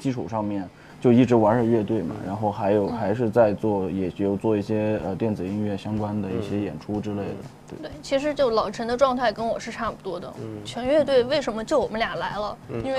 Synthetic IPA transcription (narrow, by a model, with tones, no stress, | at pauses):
t͡ɕi˥˧ʈ͡ʂʰu˨˩ʂɑ˥˧ŋmjɛ˥˩n | t͡ɕjo˥˧ʊi˥˩ʈ͡ʂɻ̩˧˥wa˧˥nʂə˨˥˩ɥɛ˥˧t̪we˥˩ɪmɐ̰˩ɻa˧˥nxo˥˩ʊxa˧˥ɪjo˨˩˦ʊxa˧˥ɪʂ̬ɻ̩˥˧t͡sa˥˧ɪt͡swɔ˥˩jɛ˨˩˧jjo˨˩t͡swɔ˥˧i˥˩ɕjɛ˥ə˧t̪jɛ˥˩nt͡sɹ̩˨˩i˥ŋɥɛ˥˩ɕjɑ˥ŋkwa˥nd̪ə˨ḭ˥˩ɕjɛ˥jɛ̰˨˩nʈ͡ʂʰu˥ʈ͡ʂɻ̩˥le˥˩ɪd̪ə̰˩t̪we˥˩we˥˩ɪt͡ɕʰi˧˥ʂ̬ɻ̩˧˥t͡ɕjo˥˩ʊlɑ˨˩ʊʈ͡ʂʰə˧˥nd̪ə˧ʈ͡ʂwɑ˥˧ŋt̪ʰa˥˩ɪkə˥nwɔ˨˩ʂɻ̩˥˧ʈ͡ʂʰa˥˩pu˨˩t̪wɔ˥d̪ə̰˨˩t͡ɕʰɥɛ˧˥nɥɛ˥˧t̪we˥˧ɪwe˥˩ɪʂə˧˥nmə˧t͡ɕjo˥˩ʊwɔ˨˩mə˦nlja˨˩ŋla˧˥ɪlə˧i˥nwe˥˩